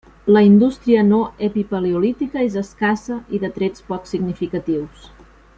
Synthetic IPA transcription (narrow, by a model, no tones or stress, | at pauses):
ləind̪ust̪ɾiənoepipəleulit̪ikəezəskasəʔiðət̪ɾɛt͡spɔksiɡnifikət̪iws